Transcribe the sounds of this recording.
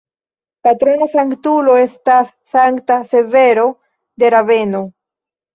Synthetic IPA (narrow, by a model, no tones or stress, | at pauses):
pat̪ɾo̞nasaŋktulo̞e̞stasːaŋktase̞ve̞ɾo̞ | de̞ɾave̞no